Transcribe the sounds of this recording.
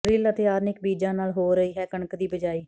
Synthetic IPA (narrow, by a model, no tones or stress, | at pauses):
ɾɪlət̪eːaːɾnɪkbiːd͡ʒãːnaːlɦoːɾəiːɦɛːkəɳəkd̪iːbəd͡ʒaːiː